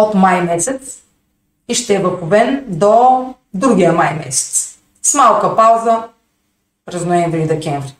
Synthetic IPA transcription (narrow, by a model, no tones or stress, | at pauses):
ot̪majmɛsɛt̪s | iʃt̪ɛɛbɐkʊbɛnd̪ɔ | d̪ɾuɡijəmajmɛ̰sɛ̥t̪s | smalˠkəpawzə | pɾɛznʊɛ̃ɱvɾiid̪ɛkʲɛɱvɾi